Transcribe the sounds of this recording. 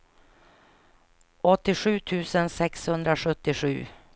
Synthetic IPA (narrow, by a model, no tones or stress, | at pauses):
ɔt̪ːɪɧʉ̟ːt̪ʰʉ̟ːsənsɛkshɵnd̪ɾaɧɵt̪ːɪɧʉ̟̰ː